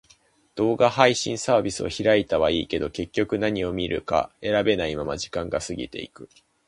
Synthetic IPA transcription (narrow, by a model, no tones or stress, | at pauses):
d̪̥o̞ːɡahaiɕḭ̃ɰ̃saːbʲisɨoçiɾait̪aβaiːke̞d̪o̞ke̞kʲːo̞kɯ̟naɲ̟io̞mʲiɾʔɯ̟̰ka̰e̞ɾabe̞naimamaʑikãŋɡasɨɡʲḭt̪e̞̰ḭkɯ̟̥